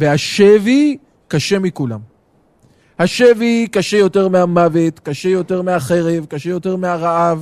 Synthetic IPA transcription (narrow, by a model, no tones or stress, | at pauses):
vehaʃevi | kaʃe̞mikula̰m | haʃevikaʃejo̞te̞ʁmehamave̞t̪kaʃejo̞te̞ʁmeaχe̞ʁe̞vkaʃejo̞te̞ʁmeaʁaʔav